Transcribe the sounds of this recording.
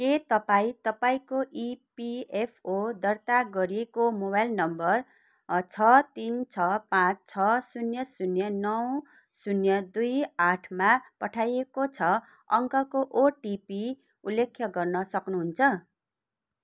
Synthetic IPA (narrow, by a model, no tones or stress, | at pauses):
ket̪ʌpaĩt̪ʌpaĩkoʔipiepʰod̪ʌrt̪aɡʌɾiekomobajlnʌmbʌr | t͡sʰʌt̪int͡sʰʌpãt͡st͡sʰʌsunjʌsunjʌnʌw | sunjʌd̪ujaʈʰmapʌʈʰajekot͡sʰʌ | ʌŋkʌkoʔoʈipi | ulːekʰjʌɡʌrnʌsʌknuɦunt͡sʰʌ